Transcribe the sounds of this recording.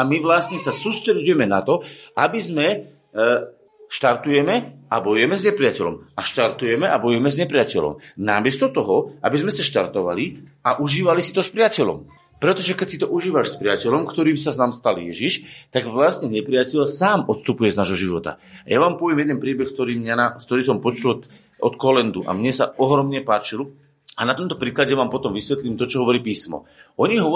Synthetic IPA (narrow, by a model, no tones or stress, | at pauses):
amiʋlasɲɛsasuːst̪ɾɛɟujɛmɛnat̪ɔabizmɛ | ʃt̪aɾt̪ujɛmɛabɔjujɛmɛzɲɛpɾɪacɛlɔ̰maʃt̪aɾt̪ujɛmɛʔabɔjujɛmɛzɲɛpɾɪacɛlɔ̰mnamɪɛst̪ɔt̪ɔɦɔʔa̰bizmɛsaʃt̪aɾt̪ɔʋa̰liaʔuʒiːʋalisit̪ɔspɾɪacɛʎɔ̰m | pɾɛt̪ɔʒɛkɛcsit̪ɔʔuʒiːʋaʃspɾɪacɛlɔmkt̪ɔɾiːmsazamst̪aljɛʒiʃt̪aɡʋlastɲɛɲɛpɾɪacɛʎsaːmɔt̪st̪upujɛznaːʒɦɔʒiʋɔt̪a̰jaʋaːmpɔʋjɛmjɛd̪ɛnpɾiːbɛxk̚t̪ɔɾiːmɲanakt̪ɔɾiːs̬ɔmpɔt͡ʃul | ʔɔt̪kɔlɛnd̪uʔa̰mɲɛsaɔɦɾɔmɲɛpaːt͡ʃil | anat̪ɔmt̪ɔ̥pɾiːklaɟɛʋaːmpɔt̪ɔmʋisʋɛt̪liːmt̪ɔt͡ʃɔɦɔʋɔɾiːpiːsmɔ̰ʔɔɲiɦɔ